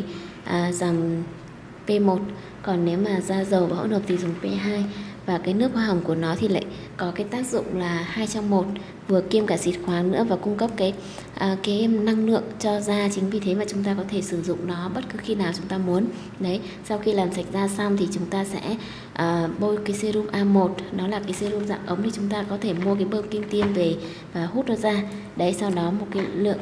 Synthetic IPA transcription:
ʔəː˨˩zaː˨˩m | pe˧mo˨˩t̚ | kɔ˨˩nːe˨˦wmaː˨˩zaː˧zə˨˩wvaː˨˦hnhəː˨˩p̚t̪i˨˩zʊ˨˩ŋ͡mpe˧ɦaː˧jvaː˨˩kaː˨˦jnɨ˦˥ək̚xwaː˧˩ɦə˨˩ŋ͡mku˧˩ənɔ˨˦t̪ʰi˨˩la̰ː˧˨j | kɔ˨˦kaː˨˦jt̪aː˦˥k̚zʊ̰˧˨ŋ͡mlaː˨˩haː˧jt͡ɕɔ˧wŋ͡mmo˨˩t̚ | vɨ˨˩əki˧əmkaː˧˩sḭ˨˩t̚xwaː˨˦nɨ̰˧˥əvaː˨˩kʊ˧ŋ͡mkə˦˥p̚kaː˨˦j | ʔə˨˩kaː˨˦jna˧ŋlɨ̰˧˨ək̚t͡ɕɔ˧zaː˧t͡ɕï˨˦ŋvi˨˩t̪ʰe˨˦maː˨˩t͡ɕʊ˨˦ŋ͡mt̪aː˧kɔ˨˦t̪ʰe˧˩sɨ˧˩zʊ̰˧˨ŋ͡mnɔ˨˦ɓə˦˥t̚kɨ˨˦xi˧naː˨˩wt͡ɕʊ˨˦ŋ͡mt̪aː˧mu˨˦ən | ɗə˨˦j | sa˧wxi˧laː˨˩msa˧˩jk̚zaː˧sa˧wŋ͡mt̪ʰi˨˩t͡ɕʊ˨˦ŋ͡mt̪aː˧sɛ̰˧˥ | ʔəː˨˩ɓo˧jkaː˨˦jse˧zu˧mʔaː˧mo˨˩t̚nɔ˨˦laː˨˩kaː˨˦jse˧zu˧mza̰ː˧˨mʔə˨˦wŋ͡mni˧˩t͡ɕʊ˨˦ŋ͡mt̪aː˧kɔ˨˦t̪ʰe˧˩mu˧ək̬aː˨˦jɓəː˧mkï˧ŋ̟t̪i˧ənve˨˩ | vaː˨˩hu˦˥t̚nɔ˨˦zaː˧ | ɗə˨˦jsa˧wɗɔ˨˦mo˨˩t̚kaː˨˦jlɨ̰˧˨əŋ

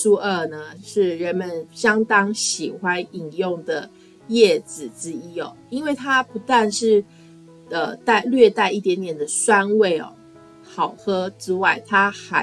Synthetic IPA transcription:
su˥ə˞˥˧nə˩ʂɻ̩˥˩ɻə˧˦nmə˨˦nɕjɑ˥ŋt̪ɑ˥ŋɕi˨˩xwa˦ni˨˩ŋjʊ˥˩ŋd̪ə˩ | jɛ˥˨˩t͡s̩˨˩t͡sɻ̩˦˥i˥ɔ̰˨˩i˥nwe˥˩ɪt̪ʰa˦˥pu˧˥t̪wa˥˧nʂɻ̩˥˩ | ə˨˩t̪a˥˧ɪlɥɛ˥˧t̪a˥˧ɪi˥˩t̪jɛ˧˦nt̪jɛ˨˩nd̪ə˩swa˦˥nwe˥˩ɪɔ̰˨˩ | xɑ˨˩ʊxɤ˥ʈ͡ʂɻ̩˥wa˥˩ɪt̪ʰa˥xa˧˦

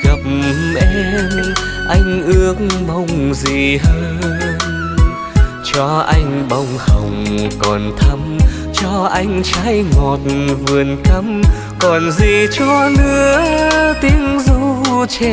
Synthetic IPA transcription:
ɣə˨˩p̚mʔɛ˧m | ʔa˧jŋ̟ʔɨ˧˦əkŋɓa˧˩wŋ͡mzi˨˩həː˧j | t͡ɕɔ˧ʔa˧jŋ̟ɓa˧˩wŋ͡mhə˨˩wŋ͡mkɔ˨˩nt̪ʰə˧m | t͡ɕɔ˧ʔa˧jŋ̟t͡ɕaː˧˥jŋo˨˩t̚nvɨ˨˩ənkə˧m | kɔ˨˩nzi˨˩t͡ɕɔ˧nɨ˧˦ət̪i˧˦əŋzu˧t͡ɕe˧

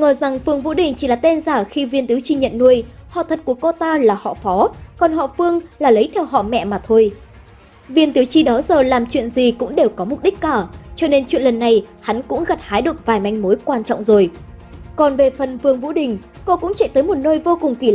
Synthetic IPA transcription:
ŋəː˨˩za˨˩ŋfɨ˨˧əŋvṵ˧˥ɗï˨˩ŋ̟t͡ɕi˧˩laː˨˩t̪e˧nzaː˧˩xi˧vi˧nt̪i˨˦wt͡ɕi˧ɲə̰˧˨nːu˧əj | hɔ̰˧˨t̪ʰə˨˩t̚ku˧˩əko˧t̪aː˧laː˨˩hɔ̰˧˨fɔ˨˦kɔ˨˩nɦɔ̰˧˨fɨ˧əŋlaː˨˩lə˨˦jt̪ʰɛ˧wɦɔ̰˧˨mɛ̰˧˨maː˨˩t̪ʰo˧j | vi˧ənt̪i˨˦wt͡ɕi˧ɗɔ˨˦zəː˨˩laː˨˩mt͡ɕwḭ˧˨ənzi˨˩kʊ̰˧˥ŋ͡mɗe˨˩wkɔ˨˦mʊ˨˩k͡p̚ɗi˦˥k̟̚kːaː˧˩t͡ɕɔ˧ne˧nt͡ɕwḭ˧˨nlə˨˩nːa˨˩jha˨˦nkʊ̰˧˥ŋ͡mɣa˨˩t̚haː˨˦jɗɨ˨˩ək̚vaː˨˩jma˨˧jŋ̟mo˨˦jkwaː˧nt͡ɕɔ̰˧˨ŋ͡mzo˨˩j | kɔ˨˩nve˨˩fə˨˩nfɨ˨˩əŋvṵ˧˥ɗï˨˩ŋ̟ | ko˧kʊ̰˧˥ŋ͡mt͡ɕɛ˧˩t̪əː˨˦jmo˨˩t̚nəː˧jvo˧kʊ˨˩ŋ͡mki˧˩

